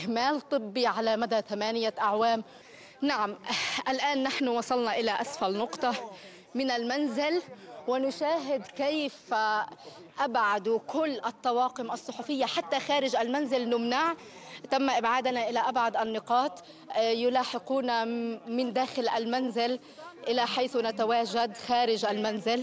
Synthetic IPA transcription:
ɪhmaːlt̪ˤɨbːiʕalamad̪at̪amaːnɪjaʔaʕwaːm | naʕamʔalʔaːnːaħnʊwɑsˤɑlnɑʔɪlaʔasfalnʊqt̪ˤɑ | mɪnalmanzɪlwɪnʊʃaːɦɪd̪kejf | ʔabʕad̪ukʊlːʔɑt̪ˤːɑwɑːqɪmʔɑsˤːʊħufɪjːaħat̪ːaxaːɾɪʒʔalmanzɪlnʊmnaʕ | t̪amːaʔɪbʕaːd̪naʔɪlaʔabʕad̪ʔanːɪqɑːt̪ˤ | jʊlaːħɪquːnamɪnd̪aːxɪlʔalmanzɪl | ʔɪlaħajθnat̪awaːʒad̪xaːɾɪʒʔalmanzɪl

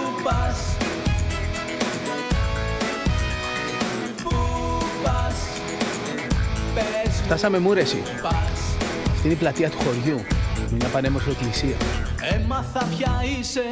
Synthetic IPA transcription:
pɐs | pɐs | sft̪ɐsɐme̞muɾe̞sḭ | ps | ɐft̪ineiplɐt̪iɐt̪u̥xo̞ɾʝumemɲɐpɐne̞mosie̞klisiɐemɐθɐpçɐise

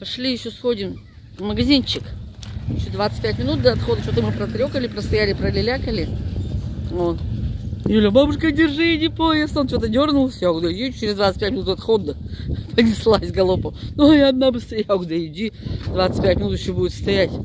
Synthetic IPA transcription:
pɐʂlʲijɪɕːosxo̞dʲɪm | məɡɐzʲint͡ɕːɪkɪɕːod̪vat̪sɨ̥t̚ʲpʲætʲmʲɪnut̪̚d̪ɐt̪xo̞d̪ət͡ɕot̪əmɨpɾɐt̪ɾʲokəlʲɪpɾəst̪ɐjalʲɪpɾəlʲɪlʲakəlʲɪ | o | julʲəbabʊʂkədʲɪrʐɨɪnʲɪpojɪsont͡ɕot̪ədʲornʊlˠsʲjaɡd̪ɐjʲeʊt͡ɕɪɾʲɪzd̪vat̪sɨt̚ʲpʲætʲmʲɪnut̪ɐt̪xod̪ːəpənʲɪslˠasʲɡɐlˠopənoɐaɐd̪nabɨst̪ɐjaɡd̪ɐjɪdʲid̪vat̪sɨ̥t̪̚ʲpʲætʲmʲɪnut̪jɪɕːobudɪt̪st̪ɐjætʲ

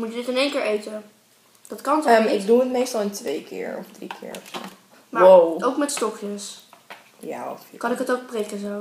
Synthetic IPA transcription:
mutədɪtɪnejŋkɪːɹʔejtə | d̥ɑtkɑntmɪɡduətmejstɑlˠɪntʋejkɪ̰ːɹɔ̰fdrikʰɪ̰ːɹ̰ | maoowkmɛtstɔkjəs | ja̰ɔfkɑnɪkɦətowk̚prɪkəzow

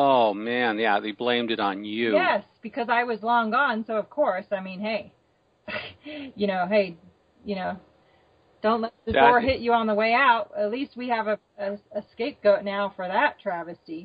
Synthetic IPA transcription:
oʊmæ̃njæðeɪblẽɪ̃mdɨɾn̩jʉjɛsb̥ɨkʰʌzaɪwʌzlɔ̃ŋɡə̃nsoʊʌv̥kʰɔɹsaɪmĩnɦeɪ | jɨñoʊɦeɪ | jɨñoʊ | d̥õʊ̃nʔlɛt̪̚ðɨɔɹɦɪt͡ʃɨə̃nðəweɪaʊt̚ɨtˡlist̚wiɨvɨ | ɨɨskeɪp̚ɡ̥oʊtⁿnaʊfə˞ðɨtʰɹ̥ævɨsi

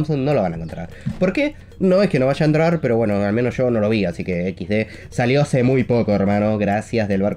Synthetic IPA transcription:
msonːo̞loβanaẽŋkont̪ɾa̰ɾpo̞ɾke̞ | no̞eskeno̞βaʒaent̪ɾaɾpeɾo̞βwe̞no̞almẽnozʒ̥o̞no̞lo̞βiasikeekizðe | saljo̞asemujpo̞ko̞ermano̞ɣɾasjazðelβaɾ

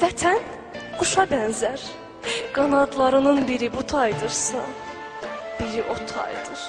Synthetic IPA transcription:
væt̪ʰæn | ɡ̥uʃɑbænzæɾ | ɡ̥ɑnɑd̪lˠɑɾɯnɯnbiɾibut̪ʰɑjd̪ɯɾsɯ̰n | b̥iɾiʔot̪ʰɑ̰jd̪ɯɾ̥

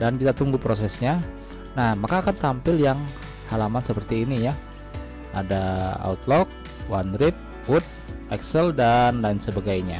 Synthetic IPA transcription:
dankit̪at̪uŋɡupɾos̬ɛsɲa | nahmakaːkant̪ampɪljaŋ | halamansəpərt̪iːnija | adaa̰ut̪lɔk̚ | wand̪ɾɪp̪̚ | hʊt̪̚ɛksəldanlansəbaɡajɲa

